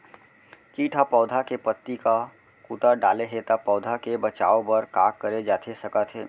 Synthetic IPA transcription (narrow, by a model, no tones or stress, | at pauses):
kiːʈʰapɔːd̪ʱakepət̪ːika | kuːt̪aɖaːleɦet̪apɔːd̪ʱakebət͡ʃa̰ːobəɾkaːkːəɾed͡ʒaːt̪ʰesəkət̪ɦeː